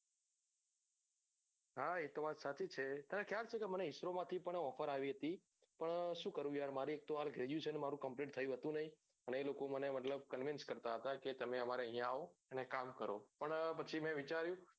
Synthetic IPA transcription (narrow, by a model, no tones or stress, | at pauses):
ɦaet̪oʋat̪sat͡ʃit͡ʃʰet̪əɾẽkjaɾt͡ʃʰekeməneɦɪsɾomãt̪ʰipəɳɔfəɾaʋiɦət̪i | pəɳʃũkəɾũjaɾmaɾiek̚t̪oɦalɡʱeɾjũt͡ʃʰenemaɾũkəmpliʈ̚t̪ʰəjũɦət̪ũnəɦĩ | əneelokomənemət̪ləb̚kənʋɪnskəɾt̪aɦət̪aket̪əmẽəmaɾeəɦijãaoənekamkəɾopəɳpət͡ʃʰimɛ̃ʋit͡ʃaɾjũ